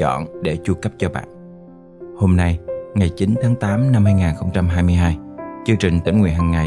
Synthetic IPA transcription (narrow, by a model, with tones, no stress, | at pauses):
ɔ̰˧˨nɗe˧˩t͡ɕu˧kə˦˥p̚t͡ɕɔ˧ɓa̰ː˧˨n | ho˧mna˧jŋa˨˩jt͡ɕi˨˦nt̪ʰaː˨˦ŋt̪aː˨˦mna˧mhaː˧jŋaː˨˩nxə˧wŋ͡mt͡ɕa˧mɦaː˧jmɨ˧ɦaː˧jt͡ɕɨ˧əŋt͡ɕï˨˩ŋ̟t̪ḭ̈˧˩ŋwḭ˨˩ənhə˨˩nŋa˨˩